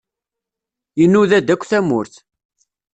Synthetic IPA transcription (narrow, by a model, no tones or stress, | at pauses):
jənːuðæd̪ækʷːθæmʊɾθ